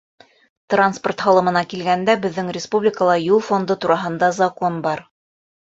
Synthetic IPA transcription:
t̪ransport̪hɑlˠɤ̆mɤ̆nɑkilɡænd̪æbɘ̆ðːɘŋrʲɪspublʲɪkəlˠɑjulˠfo̞nd̪ɤt̪uɾɑɦɤ̆nd̪ɑzɐko̞nbɑɾ

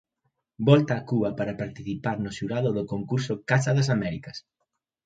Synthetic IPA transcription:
bɔlt̪aːkuβɐpaɾɐpaɾt̪iθipaɾnʊʃuɾaðʊðʊkoŋkuɾsʊkasaðɐs̬amɛɾikɐs

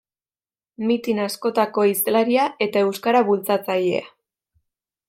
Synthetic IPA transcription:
mit̪inasko̞t̪ako̞islaɾiaʔe̞t̪ae̞wskaɾaβult͡sat͡saje̞̰a̰

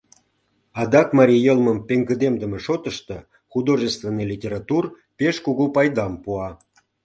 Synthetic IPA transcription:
ɑd̪ɑkmɑɾʲijəlˠməmpeŋɡəd̪emd̪əmeʃot̪əʃt̪ɤ | χud̪oʐəst̪venːɨjlʲitʲeɾɑt̪ur | peʃkuɣupɑjd̪ɑmpuɑ

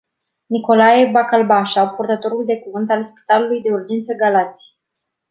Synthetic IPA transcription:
niko̞lajebakalbaʃapurt̪ət̪o̞ɾuld̪e̞kuvɨnt̪alspi̥t̪alulujd̪e̞urd͡ʒent̪səɡalat̪sʲi

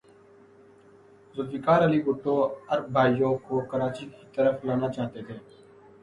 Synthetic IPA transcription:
zʊd̪ʋiːkaːɾəliːɡʊʈːõːəɾbʱaːijõːkoːkəɾaːt͡ʃiːkiːt̪əɾəfʰlaːnaːt͡ʃaːt̪eːt̪ʰeː

